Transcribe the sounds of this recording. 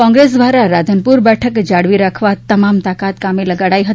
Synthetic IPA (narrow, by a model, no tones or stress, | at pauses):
kɔ̃ŋɡɾes̬d̪ʋaɾaɾad̪ʱənpuɾbɛʈʰəkd͡ʒaɽʋiɾakʰʋat̪əmamt̪akat̪kameləɡaɽaiɦəi